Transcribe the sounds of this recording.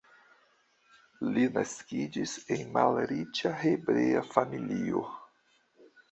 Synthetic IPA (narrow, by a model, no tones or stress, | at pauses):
linaskid͡ʒisenmalɾit͡ʃahebɾeafamilio̰